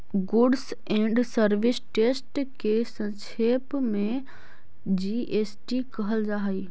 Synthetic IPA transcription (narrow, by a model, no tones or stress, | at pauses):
ɡʊɖs | ẽːɳɖsəɾʋɪsʈeːsʈkesə̃ʃeːpmẽ | d͡ʒiʔeːsʈikɐɦəld͡ʒaːɦəi